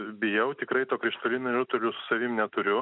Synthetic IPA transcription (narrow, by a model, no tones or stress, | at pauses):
bʲɪjɛʊt̪ʲɪkɾɐɪt̪oːkɾʲɪʃt̪olʲɪnɐʊt̪ʊlʲʊsʊ̥sɐʋʲɪmnʲɛt̪ʊɾʲʊ